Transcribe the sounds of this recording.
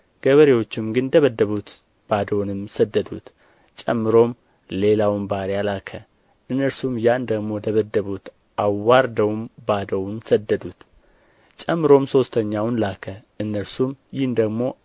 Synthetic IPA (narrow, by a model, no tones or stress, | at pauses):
ɡ̥əβəɾewo̞t͡ʃːɪmɡɨnd̪əβəd̪ːəβut̪ | b̥ad̪əwnɨmsəd̪ːəd̪ṵt̪ | t͡ʃʼɛ̰mːɨɾo̞m | le̞lawmbaɾjalakʰə | ʔɨnːəɾsumjand̪əɡmo̞d̪əβəd̪ːəβut̪ | ʔawːaɾd̪əwmbad̪əwnsəd̪ːəd̪ut̪ | t͡ʃʼɛmːɨɾo̞mso̞st̪ʰəɲːawnlakʰəʔɨnːəɾsumjɪhnd̪əɡmo̞